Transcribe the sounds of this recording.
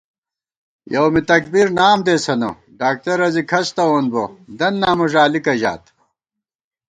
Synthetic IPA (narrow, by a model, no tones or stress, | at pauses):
jɐwmit̪ɐkbiɾnaːmd̪eːsɐno̰ | ɖaːk̚t̪ɐɾɐzikʰɐst̪ɐwoːnbod̪ɐnːaːmoʐaːlikɐʑa̰ːt̪